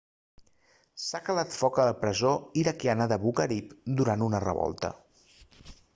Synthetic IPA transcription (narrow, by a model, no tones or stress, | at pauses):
sakəlat̪fɔkələpɾəzoiɾəkjanəðəβuɣəɾipd̪uɾanunərə̰βɔ̰lˠt̪ə̰